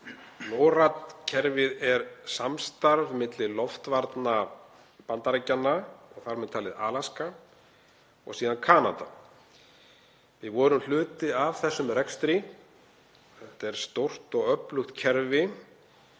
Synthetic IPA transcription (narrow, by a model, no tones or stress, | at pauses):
noːwɾat̪cʰɛɾvɪðɛɾsamst̪aɾvmɪt̪lɪlɔft̪vaɾt̪na | pant̪aɾacːanːaɔɣθaɾɾmɛðt̪ʰaːlɪða̰ːlaska | ɔ̰ɣsiːðankʰaːna̰t̪a̰ | vɪðvɔːɾʏml̥ʏːt̪ɪavθɛsːʏmrɛkst̪ɾɪ | θɛht̪aɛɾ̥st̪owr̥t̪ɔɣœplʏxt̪cʰɛɾvɪ